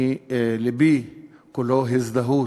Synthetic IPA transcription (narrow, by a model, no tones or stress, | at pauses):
lebikuloɦizd̪aɦu